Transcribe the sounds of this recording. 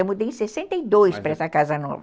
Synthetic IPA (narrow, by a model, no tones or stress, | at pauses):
ewmud̪ejẽsesẽnt̪eid̪ojspɾɐɛsɐkazɐnɔ̰vɐ